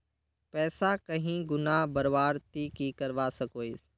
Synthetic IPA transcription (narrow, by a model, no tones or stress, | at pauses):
pɛːsakəɦĩɡʊnaːɦbəɾʋaːɾt̪iːkiːkəɾʋaːsəkoːiːs